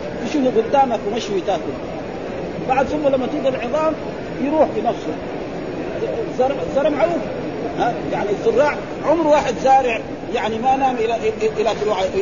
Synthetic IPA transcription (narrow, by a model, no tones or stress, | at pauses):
t̪ɪʃuːfuɡʊd̪ːaːmakwimaʃwit̪aːkul | baʕd̪sʊmːalamːat̪iːɡalʕɨðˤɑːm | jɾuːħfinɑfsˤu | zɑɾˤʕzˤɑɾˤɑmʕaluːf | hajaʕnizʊrˤːɑːʕ | ʕʊmɾwaːħɪd̪zaːɾɪʕ | jaʕnimanaːmʔɪlaʔʔɪlat̪ɾuʕa